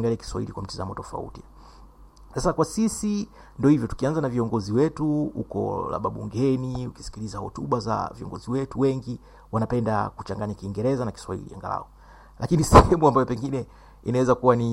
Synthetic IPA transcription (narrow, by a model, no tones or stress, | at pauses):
ŋɡaliaki̥swaḭlikwam̩tiza̰mɔtɔfa̰ṵti | sasakwasisi | ndɔhivjɔtu̥kianzanaviɔŋɡɔziwɛtuṵkɔ̰la̰ɓaɓṵŋɡɛniuki̥si̥kilizahɔ̰tuɓaza̰viɔ̰ŋɡɔziwɛtuwɛŋɡi | wanapɛnda̰kut͡ʃaŋɡaɲakiːŋɡɛɾɛzanaki̥swaḭlḭa̰ŋɡa̰la̰ɔ | lʔakinisɛhɛmuambajɔpɛŋɡinɛ | inawɛzakuwani